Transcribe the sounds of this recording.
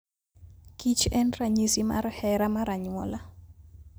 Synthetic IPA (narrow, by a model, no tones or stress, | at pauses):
kit͡ʃɛnraɲisima̰rhɛɾamaɾaɲwɔla